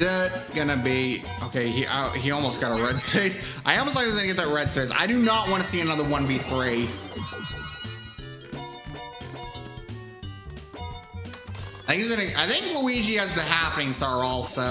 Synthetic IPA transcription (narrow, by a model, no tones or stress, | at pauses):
ɪt̚ɡ̥ʌnɨbi | oʊkʰeɪiʔa̰iɔlˠmoʊst̚ɡ̥ɑɾəɹɛd̥seɪsʔaɪɔlˠmostlaɪkiwʌzɡʌ̃nɨɡɛt̪̚ðɨt̚ɹɛd̥seɪza̰ɪɾɨnəʔ̚wɑ̃ñɨsiɨnʌðə˞wʌ̃nviθɹi | θɪ̃kizɡʌnɨaɪθɪ̃ŋkləid͡ʒiɨzðɨ̃nɦæpənɪ̃ŋzə˞ɔlˠso